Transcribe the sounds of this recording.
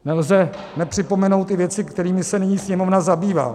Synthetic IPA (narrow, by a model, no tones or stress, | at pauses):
nɛlzɛ | nɛpr̥ɪpo̞mɛno̞wt̪ːɪvjɛt͡sɪkt̪ɛɾiːmɪsɛnɪɲiːsɲɛmovnazabiːva̰ː